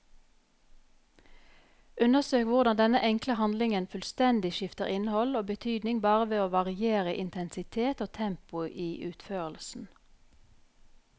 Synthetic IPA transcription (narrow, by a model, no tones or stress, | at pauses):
ʉnəʁsøːkʋʊʁd̪ɑnd̪ɛnəʔɛŋkləhɑnd̪lɪŋənfʉlst̪ɛnd̪ɪʃɪft̪əʁɪnəhɔloːbət̪ʰyːd̪nɪŋbɑːʁəʋeːoːʋɑʁɪeːʁəʔɪnt̪ʰɛnsɪt̪ʰeːt̪oːt̪ʰɛmpʊʔiːʔʉːt̪føːʁəlsn̩